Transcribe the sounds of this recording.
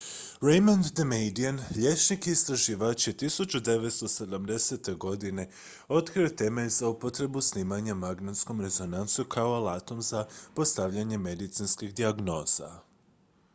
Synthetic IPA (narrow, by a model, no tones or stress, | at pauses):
ɾejmand̪ːemejd̪ianʎʲe̞t͡ʃnikist̪ɾaʒiʋaːt͡ʃet̪isut͡ɕud̪e̞ʋe̞t̪st̪o̞se̞d̪amd̪e̞se̞t̪e̞ɡo̞d̪ine̞ | o̞t̪kɾiot̪e̞ːmezaupo̞t̪ɾe̞busniːmaɲamaɡnat̪sko̞mɾe̞zo̞nansukʰaoalat̪o̞mzapo̞st̪aʋʎaɲe̞me̞d̪it̪sinskiɣd̪iaɡno̞ːz̥a̰